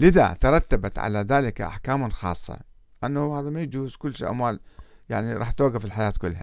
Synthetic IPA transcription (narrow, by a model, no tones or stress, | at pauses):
lɪða̰t̪ɑɾˤɑt̪ːabat̪ʕa̰laðaːlɪkaʔa̰ħkaːmanxɑ̰ːsˤːɑ̰ | ʔanːahhaːðamajad͡ʒuːzkʊlːʃiːʔa̰mwaːlja̰ʕniɾˤɑ̰ːħt̪oːɡafɪlħajaːt̪kʊlːha̰